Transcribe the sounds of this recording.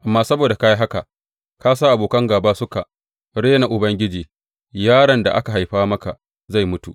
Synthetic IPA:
ʔa˨mːaː˦sɐ˦boː˨da˨ka˦ji˦ɦa˦ka˨ʔ | kaː˦s̬aː˦ʔa˨boː˨kɐ˦ŋɡaː˨baː˦sʊ˦ka˨ʔ | ɽeː˦na˨ʔʊ˨bɐ˦ŋɡʲɪ˦d͡ʒiː˨ | jaː˦ɽɐ˨nda˨ʔa̰˦ka˨ɦa˨jɸaː˦mɐ˦ka˨ʔ | za˦˨jmʊ˦tu˨ʔ

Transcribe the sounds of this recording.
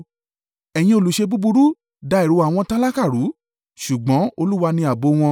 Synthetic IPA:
ɛ˨j̃ĩ˧o˧lu˨˦ʃe˧bu˦bu˧ɾu˦ | da˨˧i˨ɾu˨˦a˨w̃ɔ̃˧tã˦la˦ka˦˨ɾu˨˦ | ʃu˨ɡ͡bɔ̃˨˦o˧lu˦wa˧nĩ˧a˨bo˨˧w̃ɔ̃˧

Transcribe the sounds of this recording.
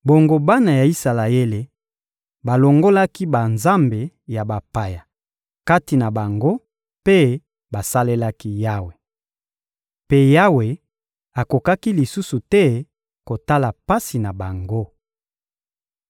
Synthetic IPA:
bo˨ŋɡo˨ba˦na˨ja˨i˦sa˨la˨e˦le˨ | ba˨lo˨ŋɡo˦la˦ki˦ba˨nza˦mbe˨ | ja˨ba˨pa˨ja˨ | ka˦ti˨na˨ba˨ŋɡo˦ | pe˦ | ba˨sa˦le˦la˦ki˦ja˦we˨ | pe˦ja˦we˨ | a˨ko˨ka˦ki˦li˨su˦su˨tɛ˦ | ko˨ta˦la˨pa˦si˨na˨ba˨ŋɡo˦

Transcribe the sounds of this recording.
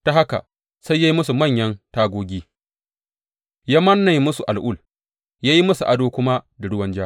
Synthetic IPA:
ta˦ɦa˦ka̰˨ | sa˦jːa˦ji˦mʊ˦su˨mɐ˦˨ɲjɐ˦ntaː˦ɡʷoː˦ɡʲiː˦ | ja˦mɐ˦nːa˨jmʊ˦su˨ʔa˨lʔʊ˦˨l | jaː˦ji˦mʊ˦su˨ʔa˦doː˦kʷʊ˦ma˦da˨ɽʊ˦wɐ˦nd͡ʒaː˦

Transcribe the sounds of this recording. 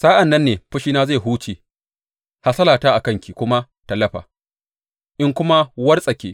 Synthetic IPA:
saː˦ʔa˨nːɐ˦nːeː˨ɸʊ˦ʃiː˦naː˦za˦˨jɦuː˦t͡ʃeː˨ | ha˦sɐ˦laː˨taː˦ʔa˨kɐ˦ŋkʲi˨kʷʊ˦ma˦ | tɐ˨lːɐ˦ɸa̰ː˨ | ʔɪ˦ŋkʷʊ˦ma˦wɐ˦rsʼɐ˨kʲeː˦

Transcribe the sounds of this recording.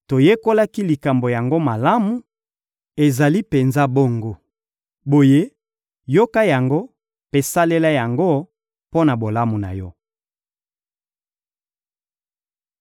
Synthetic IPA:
to˨je˦ko˦la˦ki˦li˨ka˨mbo˨ja˨ŋɡo˦ma˨la˦mu˨ | e˨za˨li˦pe˨nza˦bo˦ŋɡo˦ | bo˨je˦ | jo˦ka˦ja˨ŋɡo˦ | pe˦sa˦le˦la˦ja˨ŋɡo˦ | po˦na˨bo˨la˦mu˨na̰˨jɔ˦

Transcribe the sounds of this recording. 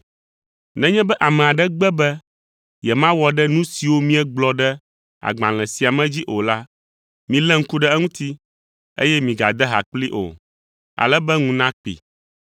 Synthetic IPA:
nɛ̃˦ɲɛ̃˦bɛ˦ʔa˨mɛ̃˨a˨ɖɛ˦ɡ͡bɛ˦bɛ˦ | jɛ˨mã˦wɔ˦ɖɛ˦nũ˦si˨wo˦mĩ˦ɛ˦ɡ͡blɔ˦ɖɛ˦ | a̰˨ɡ͡bã̰˨l̃ɛ̃˨si˨a˨mɛ̃˦d͡ʑi˦ʔo˨la˦ | mĩ˨lɛ˦ŋ̩˦ku˦ɖɛ˦ɛ˦ŋũ˦t̪i˦ | ḛ˦jɛ˦mĩ˨ɡa̰˨d̪ɛ˦ɦa̰˨k͡pli˦ʔo̰˨ | a̰˨lɛ˦bɛ˦ŋũ˦nã˦k͡pḭ˨

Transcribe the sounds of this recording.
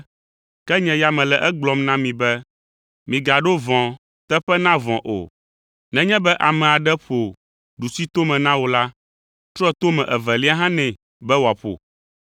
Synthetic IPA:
kɛ˦ɲɛ̃˨ja˨mɛ̃˨lɛ˨ʔɛ˦ɡ͡blɔ˨mnã˦mĩ˨bɛ˦ | mĩ˨ɡa˨ɖo˦vɔ̃˨ | t̪ɛ˦ɸɛ˦nã˦vɔ̃˨ʔo̰˨ | nɛ̃˦ɲɛ̃˦bɛ˦ʔa˨mɛ̃˨a˨ɖɛ˦ɸo˨ | ɖu˨si˦t̪o˦mɛ̃˨nã˦wo˨la˦ | t̪ɾɔ˦ɛ˦˨t̪o˦mɛ̃˨ʔɛ˨vɛ˨li˦a˦ɦã˦nɛ̃˨ | bɛ˦wo˨a˨ɸo̰˨

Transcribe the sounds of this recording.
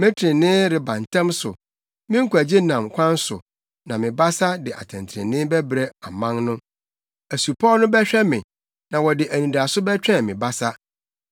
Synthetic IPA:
mɛ̃˦tʰɾɪ̃˨nɪ̃˦ɾɪ˨bã˨n˨tʰɛ̃˦msʊ̰˨ | mɪ̃˦ŋ̩˦kʰʷu˨æ˨d͡ʑe˦nã˨mkʷʰã˦n˦sʊ̰˨ | nã˨mɪ̃˨ba˦sa˦dɪ˨ʔa̰˨tʰɛ̃˨ntʰɾɪ̰̃˨nɪ̃˦bɛ˦bɾe˦a˨mã˦ŋnʊ̃˦ | æ˨su˨pʰɔ˦nʊ̃˦bɛ˦ɕᶣɛ˦mɪ̃˨ | nã˨wɔ˨dɪ˨ʔæ˨nĩ˨da˨sʊ˦bɛ˦t͡ɕᶣɛ̃˦˨mɪ̃˨ba˦sa˦

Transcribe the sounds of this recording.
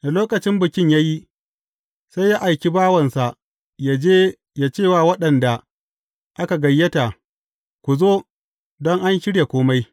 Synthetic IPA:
na˨loː˦kɐ˨t͡ʃɪ˦mbɪ˨kʲɪ˦ɲja˦ji˦ | sa˦jːa˦ʔa˨jkʲi˦baː˦wɐ˨nsa˨ʔ | ja˦d͡ʒeː˦ | jaː˦t͡ʃeː˦˨waː˨wɐ˦ɗɐ˨nda˨ | ʔa˦ka˨ɡɐ˨jːɐ˦ta˨ | kʷu˨zoː˦ | dɔ˦ŋʔa˦nʃɪ˦ɽja˨kʷoː˦ma˦j

